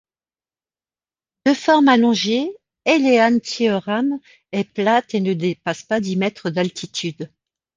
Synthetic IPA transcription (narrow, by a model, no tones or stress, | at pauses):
d̪̥əfɔʁmalɔ̃ʒe | eleant̪iøʁam | ɛplat̪enəd̪epaspad̪imɛt̪χəd̪alt̪ʰit̪ʰyd̪